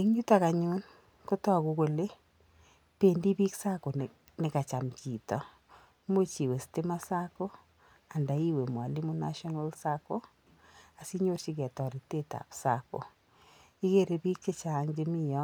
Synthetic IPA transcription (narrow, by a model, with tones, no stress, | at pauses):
e˦ŋɲu˦taka˨ɲu˦n | ko˦tɔ˦˨ku˦ko˨le˦ | pendi˦bi˦ksa˦ko˨n | nɪ˨ka˨t͡ʃa˨mki˨tɔ˨ | mo˦t͡ʃi˨we˨ste˦ma˦sa˦ko˦ | a˨nda˨i˦we˨mwa˨li˦mu˦na̰˦ʃɔ˦na˦lsa˦ko˦ | a˨si˦ɲo˦rt͡ʃi˦kɛ˨tɔ˨ɾi˨te˦ta̰˨psa̰˦ko̰˨ | i˦ke˦ɾe˦bi˦k̚t͡ʃe˦t͡ʃa˨˦ŋd͡ʒe˦mi˦jɔ˦